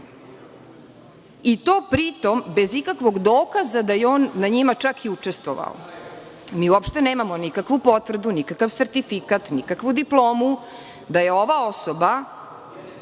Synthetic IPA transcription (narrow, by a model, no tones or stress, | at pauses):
it̪oːpɾit̪o̞mbe̞zikakʋo̞ɡd̪oːkazad̪ajeoːnːaɲimat͡ʃakiut͡ʂest̪ʋo̰ʋa̰o̰ | miːuopʃt̪e̞neːmamo̞nikakʋupo̞t̪ʋr̩d̪unikakaʋseɾt̪ifikat̪nikakʋud̪iplˠoːmu | d̪aje̞o̞ʋao̞soba